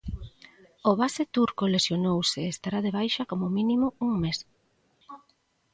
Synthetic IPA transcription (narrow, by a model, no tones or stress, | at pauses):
oβaset̪uɾkolesjonowsɪːst̪aɾaðeβ̞ajʃakomʊminimʊuŋmes